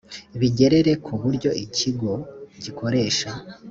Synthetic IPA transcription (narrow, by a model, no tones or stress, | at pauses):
iβiɟe̞ɾe̞ɾe̞kʰuβuɾɟo̞ʔiciɡo̞ɟikʰo̞ɾe̞ːʃa